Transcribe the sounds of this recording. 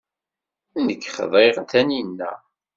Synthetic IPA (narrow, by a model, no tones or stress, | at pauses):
nəkːχə̰ðˤeʁnt̪æninːæ̰